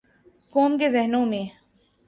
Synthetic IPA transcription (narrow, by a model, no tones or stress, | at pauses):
koːmkezɛɦnõmẽː